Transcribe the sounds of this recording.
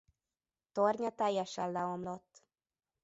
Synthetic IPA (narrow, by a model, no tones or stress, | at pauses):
t̪orɲɒt̪ɛjːɛʃɛllɛomlo̞t̪ː